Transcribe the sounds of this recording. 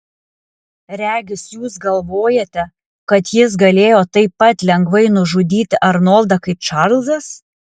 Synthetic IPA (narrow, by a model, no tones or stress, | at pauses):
ɾʲæːɡʲɪsjuːsɡɐlˠʋoːjɛt̪ʲɛ | kɐt̪jɪs̬ɡɐlʲeːjoːt̪ɐɪpːɐt̪lʲɛŋɡʋɐɪnʊʒʊd̪ʲiːt̪ʲɪʔɐɾnoːlˠd̪ɐkɐɪt͡ʃɐɾlʲˠzɐs